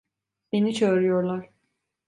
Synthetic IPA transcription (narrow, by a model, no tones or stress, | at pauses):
benit͡ʃʰøːɾyjoɾlˠaɾ̥